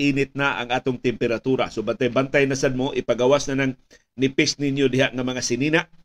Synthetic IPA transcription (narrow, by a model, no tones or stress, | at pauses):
ʔiːnɪt̪̚naʔa̰ŋaːt̪oŋt̪ɪmpɛɾat̪uɾasobant̪ajbant̪ajnasad̪̚moʔɪpaɡawasnanaŋ | nɪpɪsnɪnjodɪɦaʔŋamaŋasɪniːnaʔ